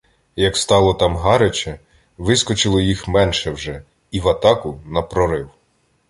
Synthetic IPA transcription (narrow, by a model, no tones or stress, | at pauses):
jɐkst̪ɑlˠɔt̪ɑmɦɑɾet͡ʃɛ | ʋɪskɔt͡ʃɪlˠɔjixmɛnʃɛwʒɛ | iʋɐt̪ɑkʊnɐpɾɔɾɪw